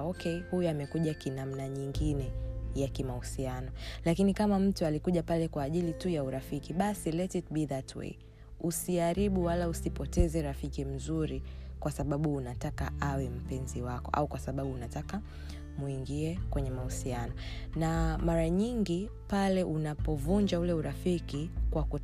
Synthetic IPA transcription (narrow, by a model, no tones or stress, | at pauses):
ɔkɛhujuamɛkuʄakinam̩naɲiŋɡinɛjakimahusianɔlakinikamam̩tualikuʄapalɛkwaːʄilitujauɾafikiɓasilɛtit̚biðatʰwḛi | usiaɾiɓuwalausipɔtɛzɛɾafikim̩zuɾikwasaɓaɓuːnataka̰awɛm̩pɛnziwakɔʔa̰ukwasaɓaɓuːnataka | muiŋɡiɛkwɛɲɛmahusianɔ | namaɾaɲiŋɡi | palɛʔunapɔvuɲd͡ʒaulɛuɾafikikwaku